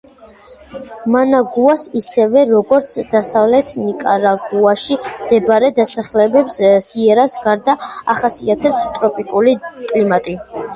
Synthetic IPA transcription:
manaɡuasisɛvɛɾɔɡɔɾt̪sʰd̪̥asavlɛt̪ʰnikʼa̰ɾaɡuaʃimd̪̥ɛbaɾɛd̪asaχlɛbɛpssiɛɾasɡaɾd̪aaχasiat̪ʰɛpst̪ʼɾɔpʼikʼulikʼlimat̪ʼi

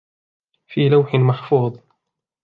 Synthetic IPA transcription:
fiːlawħɪnmaħfuːðˤ

